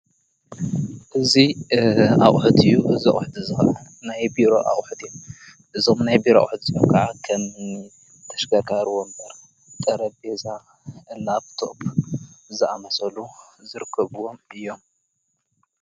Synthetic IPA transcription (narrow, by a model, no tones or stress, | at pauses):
ʔɨzi | aʔʼħd̪ɨjːuʔɨzia̰ʔʼħd̪izɨxɐ̰ʔɐn | najbiɾo̞̰ʔa̰ʔʼħd̪ɨjom | ʔɨzo̞mnajbiɾoa̰wħd̪ɨzijomkʰɐʕakʰɐm | t̪ʰɐ̥ʃɡɐɡaɾwombɐɾ | t̪ʼɐɾɐbeza | ɨnaβt̪ʰoʔpzɨamɐsʼɐluzɨɾɨkʰːɐβuwo̞mʔɨjːo̞m